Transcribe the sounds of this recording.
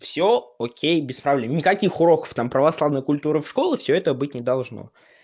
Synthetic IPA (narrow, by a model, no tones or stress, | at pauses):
fsʲookʲejbʲɪspɾɐvlʲemnʲɪkɐkʲixʊɾo̞kə̥ft̪ampɾəvɐslˠavnəjkʊlʲt̪uɾɨfʂko̞lˠɪfsʲɵɛt̪əbɨt̚ʲnʲɪd̪ɐlˠʐno̰